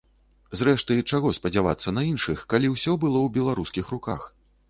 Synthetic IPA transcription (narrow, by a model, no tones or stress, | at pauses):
zɾɛʂt̪ɨt͡ʂaɣɔspɐd͡zʲava̰t̪sːɐnɐinʂɨxkalʲiwsʲɔbɨlˠɔwbʲɛlˠaɾuskʲixɾuka̰x